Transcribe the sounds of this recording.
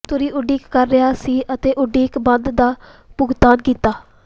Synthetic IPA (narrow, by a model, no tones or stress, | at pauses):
t̪ʊɾiːʔʊɖiːkːəɾːɪaːsiːʔət̪eːʔʊɖiːkbənd̪d̪aːpʊɡt̪aːnkiːt̪aː